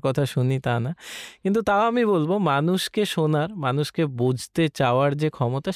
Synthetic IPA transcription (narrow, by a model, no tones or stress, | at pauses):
kɔt̪ʰaʃunit̪anakint̪ut̪aoamiβolbomanuʃkeʃonaɾmanuʃkebud͡ʑʱt̪et͡ɕaoaɾd͡ʑekʰɔmot̪aʃ